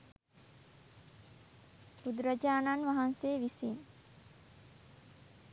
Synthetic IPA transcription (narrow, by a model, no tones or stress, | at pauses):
bud̪ɾəd͡ʒaːnanʋaɦanseːʋisin